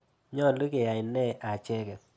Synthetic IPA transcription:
ɲɔ˦˨lu˦ke˨ja˨ɪ˨nɛ˦ʔa˨t͡ʃɛ˦kɛ˨

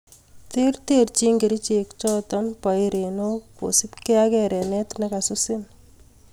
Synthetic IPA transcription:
t̪e˦rt̪e˦ɾt͡ʃi˦ŋɡe˨ɾi˦t͡ʃe˨kt͡ʃɔt̪ɔnpa˨jɾe˨no˦ko̰˨si˦pke˦akɛ˨ɾɛ˨nɛ˦t̪naka˨susɪ˦n

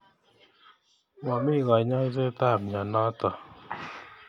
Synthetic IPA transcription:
wa˨mi˦˨ɣa˨ɲa˦i˦zɛ˦ta˦˨m˨ɲa˨na˦ta˨

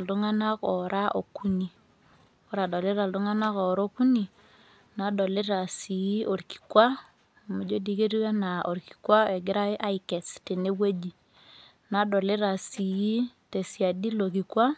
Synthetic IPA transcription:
ldu˦ŋa˦na˦kɔ˨ɾʔa˦ʔo̰˨ku˦ni˨ | o˦ɾa˨do˨le˦ɾa˨ldu˦ŋa˦na˦kɔ˨ɾo˦ku˦ni˨ | na˨do˨le˦ɾa˨si˨i˦o˨ɾki̥˨kwa˦˨ | ma˨d͡ʒo˦di˦ke˦ɾi˦a˦na˨ʔo˨ɾki̥˨kwa˦ɛ˨ɡɪ˦ɾa˦ɪ˦ʔa˦ɪ˨kɛ˨ste˨ne˦we˦d͡ʒi˨ | na˨do˨le˦ɾa˨si˨i˦te˨si˨a˨di˦lo˨k̬i˨kwa˦

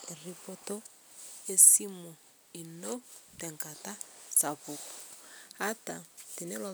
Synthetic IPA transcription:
e˨ri˨po˦to˦ | e˦si˦mu˨ | i˨no˦tɛ˨ŋka˨ta˦sa˨pu˨ku̥˨ha˦ta˨ti˨nɛ˦lɔ˨

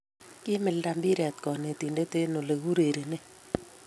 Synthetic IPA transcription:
kɪ˦mɪ˨lda˨mbi˦ɾɛ˨t̪kɔ˨ne˨t̪i˨nde˦te˦no˨le˨ɣu˦ɾe˨ɾe˨ne˦

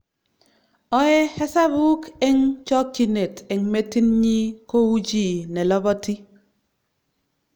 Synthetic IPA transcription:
ɔ˦ɛ˦hɛ˦sa˦bu˦kɛ˦ŋt͡ʃɔ˦kt͡ʃi˨ne˨tɛ˨ŋme˦ti˦nɲi˦ko˦wu˦d͡ʒi˨nɛ˨lɔ˦bɔ˦ti˦

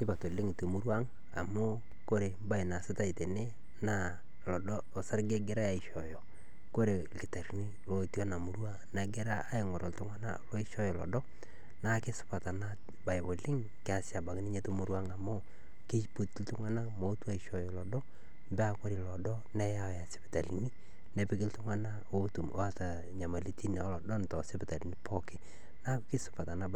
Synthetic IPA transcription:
tɪ˦pa˨to˨lɪ˦ŋto˨mu˦ɾwa˦ŋ | a̰˨mʊ˦ | ko˦ɾe˨ba˦jna˨sɪ˦ta˦i˨te˨ne˦ | na˦˨ | lɔ˨dɔː˦˨sa˦ɾɡe˦ɡɪ˨˦ɾa˦ja˨i˨ʃɔ˨jɔ˨ | ko˦ɾe˨lɪ˨ta˨ɾni˦ | lo˨tjɔ˦na˨mu˨ɾwa˦na˨ɡɪ˦ɾa˦ʔa˦ɪ˨ŋɔ˨ɾɔ˨ltʊ˦ŋa˦na̰˦lɔ˦ɪ˦ʃɔ˦jɔ˨lɔ̰˨dɔ˦ | na˦kɪ˦sʊ̥˦pa˨ta˨na˦ | ba˨jbo˨lɪ˦ŋ | kɪ˦a˨sja˨ba˨kni˦ɲe˦tu˦mu˨ɾwa˦ŋa˨mo˦ | kɪ˦t͡ʃpu˦tltʊ˦ŋa˦na˦mo˨˦twa˦i˨ʃɔ˨jɔ˨lɔ˨dɔ˦ | mbɛ˦a˨kɔ˦ɾi˨lɔ˨dɔ˦nɛ˦ja˦˨ja˨sɪ̥˦pɪ̥˨ta˨lḭ˨ni˦ | nɛ˨pɪ˦k̬ɪ˦ltʊ˦ŋa˦na˦ | o˦tu˨˦a˦ta˨ | ɲa˨ma˨li˦tʰi˦na˨˦lɔ˨dɔ˦n˨tɔ˨sɪ˦pɪ˨ta˨li˨ni˦pɔ˦kɪ˨ | na˦kɪ˦sʊ̥˦pa˨ta˨na˦b

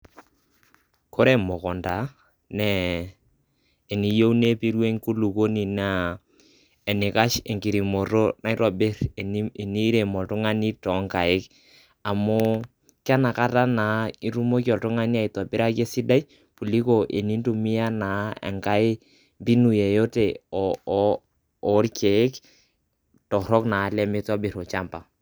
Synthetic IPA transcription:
kʰo˦ɾɛ˦mɔ˨kɔ˨nda˨˦ | nɛ˨ | ni˨jo˦u˦ne˦pi˦ɾwe˦ŋku˦lu˨ko˦ni˨na˨ | ɛ˨nɪ˨ka˦ʃe˨ŋki˨ɾi˨mo˨ɾo˦na˦ɪ˦ɾɔ˨bɪ˦ɾni˦ɾe˨mɔ˨ltʊ˦ŋa˦ni˦tɔ˨˦ŋka˨ɪ˦k | a˨mʊ˦ | ka˦na˨ka˦ta˦na˨˦i˦ɾu˦mo˦ki˦ɔ˨ltu˦ŋa˦ni˦a˦˨i˨tɔ˨bɪ˦ɾa˦ke˦si˦da˦j | pu˨li˦ko˨ʔe˨ni˦ntu˨mi˦ja˦na˨˦ɛ̰˨ŋka˦ɪ˦ | bi˦nu˨jɛ˨jo˦tɛ˨ɔ˨˦ | ɾkɛ˨˦k | tɔ˨ɾɔ˦kna˨˦lɛ˦mɪ˦tɔ˦bɪ˨ɾɔ˨t͡ʃa˦mpa˨

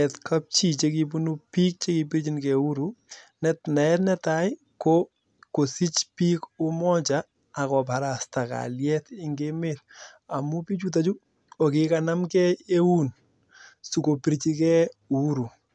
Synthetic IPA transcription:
ɛtkʰa˦p̚t͡ʃi˦t͡ʃe˦ki˦pu˦nu˦pi˦k̚t͡ʃe˦ki˦pi˦ɾt͡ʃi˦nkɛ˨u˦ɾu˨nɛtna˨ɛtnɛtaj | ko˦ | ko˨si˦t͡ʃpi˦kʊ˦mɔ˦t͡ʃaː˨ | kɔ˨pa˨ɾa˨sta˨ka̰ljɛ˦tɪ˦ŋɡemel | a˨mu˦pi˦t͡ʃu˦t̬a˨t͡ʃu˦ | o˨kɪ˨kana˦mkɛ˦e˦u˦n | su˨ko˨pi˨ɾt͡ʃi˦kɛu˦ɾu˨

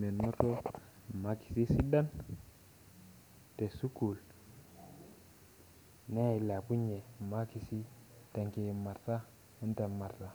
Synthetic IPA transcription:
me˨nmo˦to˦˨ma˨˦ki̥˨si˦si˦da˦n | te˨su˦ku˨l | ne˦i˨˦la˨pu˦ɲe˨ma˦ki˨si˦ | ta˨ŋki˨ma˨ɾta˦ | u˦nta˨ma˨ɾta˦

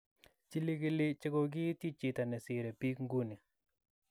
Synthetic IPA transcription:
t͡ʃi˦li˦ɡɪ˦lɪ˦t͡ʃɪ˦ɡo˨ɡɪ˦t̪i˦t͡ʃɪ˨t̪a˨nɛ˨sɪ˨ɾɛ˨pi˦kŋɡu˦ni˨

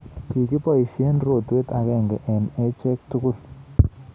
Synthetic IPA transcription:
ki˨ki˦pɔ˦isje˦nro˨twe˦t̪a˨kɛ˦˨ŋɡɛ˨ʔɛ˨nɛ˦t͡ʃɛ˦k̚tʊ˦kʊ˦˨l

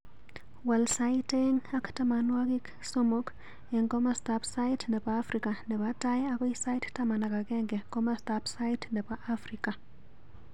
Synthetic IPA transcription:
wa˨lsajiteŋa˦kta˦ma˨nwa˦ɡi˦k | so˦mo˦k | ɛ˨ŋko˦mastapsa˦itnɛ˨paː˦fɾika˨nɛ˨pataja˦kɔ˦isa˦i˦ttama˨na˨ka˨ɡɛ˦ŋɡɛ˨ko˦mastapsa˦jtnɛ˨pa˦ʔafɾika˨

